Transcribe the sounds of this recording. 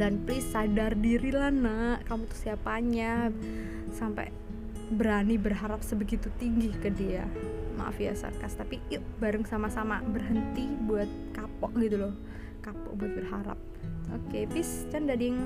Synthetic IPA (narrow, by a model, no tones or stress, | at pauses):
danplɪsadardiɾilahnakamut̪ʊhsiapaɲa | sampɛ̰ | bəɾanibərɦaɾap̚səbəɡit̪ut̪iŋɡɪhkədiama̰ʔa̰fia̰sa̰kast̪apibaɾəŋsamasama̰bərɦənt̪ibuat̪̚kapɔʔɡit̪ulɔh | kapɔ̰ʔ̚buat̪̚bərɦaɾa̰p̚okepɪst͡ʃandadijəŋ